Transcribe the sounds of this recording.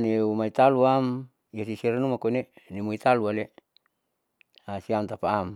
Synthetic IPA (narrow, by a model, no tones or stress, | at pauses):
neumait̪aluam | jasisiɾenumakoinenimuit̪aluale | asiamt̪apaːm